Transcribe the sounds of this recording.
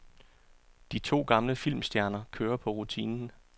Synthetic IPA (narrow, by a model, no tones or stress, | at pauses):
d̥it͡sʰo̝̰ːɡ̥ɑ̈mləfil̰msd̥jæɐnɐkʰøːɐpʰɒ̽ʁut͡sʰḭːnn̩